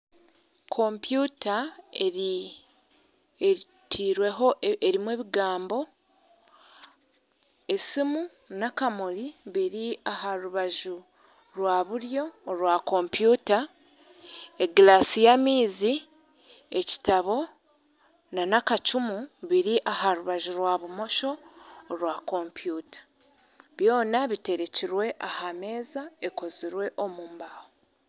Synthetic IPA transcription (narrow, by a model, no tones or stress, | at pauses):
kʰo̞mpjuːtaeɾ | e | tʰiːɾwe̞ɦo̞eɾimwe̞ːβiɡaːmbo̞ | e̞simu | nakamoliβiɾiaɦaɾuβaʒu | ɾwaːβuɾjo̞ːɾwako̞mpjuːta | eɡlasijamiːzi | e̞ci̥taβo̞ | nanakacumuβiɾiʔahaɾuβaʒuɾwaːβumo̞ʃo̞ːɾwako̞mpjuːtḁ | βjo̞ːnaβite̞ɾe̞ciɾwe̞ʔahame̞ːzae̞ko̞ziɾwe̞ʔo̞muːmbaːho